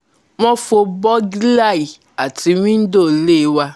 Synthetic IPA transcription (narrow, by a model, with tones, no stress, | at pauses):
w̃ɔ̃˦fo˧bɔ˦ɡi˦la˦˨i˨ | a˨ti˨˧wĩ˦n̩˦do˦˨le˦˨˦wa˧